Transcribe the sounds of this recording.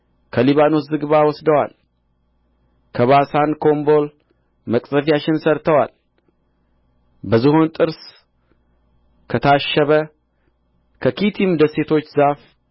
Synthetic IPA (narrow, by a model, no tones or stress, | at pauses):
kʰəliβano̞szɨɡβawɔsd̪əwa̰l | kʰəβasankʰo̞mbo̞l | məkʼzəfijat͡ʃɪnsəɾt̪ʰəwal | bəzɨho̞nt̪ʼɨɾs | kʰət̪ʰaʃːəβə | kʰəkit̪ʰimd̪əse̞t̪ʰo̞t͡ʃːzaf